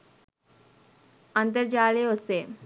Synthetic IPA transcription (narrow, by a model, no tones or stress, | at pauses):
ə̃nt̪̬əɾd͡ʑaːleose